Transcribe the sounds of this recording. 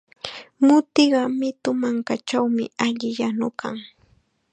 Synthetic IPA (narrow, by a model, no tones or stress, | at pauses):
mʊt̪ɪɢɑmɪt̪ʊmaŋkat͡ʃawmɪaʎɪjanʊkʰaŋ